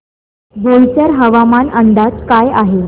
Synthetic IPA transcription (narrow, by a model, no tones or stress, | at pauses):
bolt͡ɕəɾɦəʋamanəɳɖ̪at̪kajaɦe